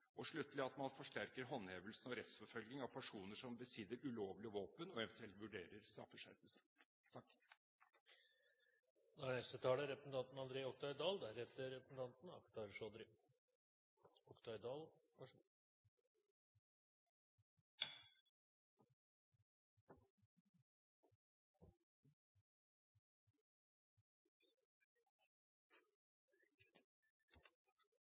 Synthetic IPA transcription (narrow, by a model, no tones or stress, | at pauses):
ɔʂɭʉt̪l̩ɪɑt̪mɑnfɔʂʈæɾkəɾɦɔnheːʋəlsn̩ɔɾɛt̪sfɔfœlɡnɪŋɑʋpʰæʂuːnəʂɔmbəsɪd̪ːəɾʉloːʋlɪɔʋoːpənɔɛʋɛnt̪ʰʉɛlt̪ʋʉɖeːɾəɾst̪ɾɑ̰fːəʂæɾt̪əsə | t̪ʰɑkː | d̪oæɳɛst̪ət̪ʰɑːləɾɛpɾəsn̩t̪ɑnt̪n̩ɑnd̪ɾeːɔk̚t̪ɑɪd̪ɑːld̪æɾheːt̪əɾɛpəsn̩t̪ɑnt̪n̩ɑ̰kt̪ɑɾʂɔd̪ɾɪ | ɔkt̪ʰɑɪd̪ɑːl | ɑʂ